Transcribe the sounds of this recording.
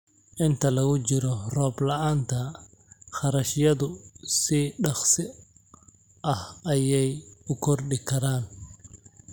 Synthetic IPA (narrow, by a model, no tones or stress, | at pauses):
ʔɪnt̪ʰɐlɐɣʊt͡ʃɪɾɔrɔːblɐaːnt̪ʰɐ | χɑɾɐʃjɐðʊsiɖɑχsɪ | ʔɐhɐjɛjʊkʰɔrɗɪkʰɐɾaːn